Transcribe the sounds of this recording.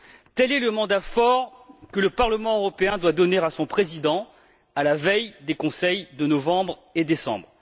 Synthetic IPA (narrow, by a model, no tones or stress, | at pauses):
t̪ɛlɛləmɑ̃d̪afɔʁkələpaʁləmɑ̃øʁɔpeɛ̃d̪wad̪ɔneʁasɔ̃pχezid̪ɑ̃ | alavɛjd̪ekɔ̃sɛjd̪ənɔvɑ̃bʁed̪esɑ̰̃bʁ